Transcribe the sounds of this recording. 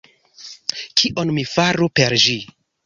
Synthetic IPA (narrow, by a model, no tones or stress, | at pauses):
kʰiʔonmifaɾupeɾd͡ʒi